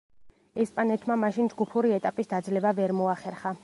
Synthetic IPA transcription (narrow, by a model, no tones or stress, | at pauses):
ɛspʼanɛt̪ʰmamaʃind͡ʒɡupʰuɾiɛt̪ʼapʼisd̪ad̪zlɛbavɛɾmɔaχɛɾχa